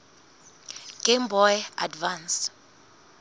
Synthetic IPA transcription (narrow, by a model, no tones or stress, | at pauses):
ɡ̥embɔjadvans